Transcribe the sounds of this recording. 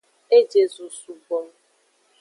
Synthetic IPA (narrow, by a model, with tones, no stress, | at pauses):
e˦d͡ʒe˨zu˨su˨ɡ͡bo˨˦m˦